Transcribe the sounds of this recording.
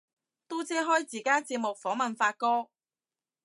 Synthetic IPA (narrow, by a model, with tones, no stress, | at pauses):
t̪o˥t͡sɛː˥ɦɔː˥jt͡siː˨˩kaː˥t͡siː˧p̚mʊ˨k̚fɔː˨˥mɐ˨˩nfaː˧t̚kɔː˥